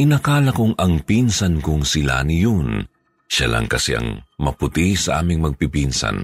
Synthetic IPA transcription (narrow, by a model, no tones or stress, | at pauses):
ʔɪnɐkaːlɐkʊŋɐŋpinsɐnkʊŋsɪla̰nɪjon | ʃalʔɐ̰ŋkɐsɛʔɐ̰ŋmɐpʊt̪isɐʔa̰ːmɪŋmɐɡ̚pipinsɐ̰n